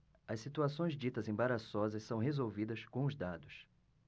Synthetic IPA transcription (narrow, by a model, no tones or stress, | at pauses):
ɐssit̪uasõj̃zd͡ʒit̪ɐzẽbaɾasɔzɐssɐ̃w̃ɦezowvid̪ɐskõʊzd̪ad̪ʊs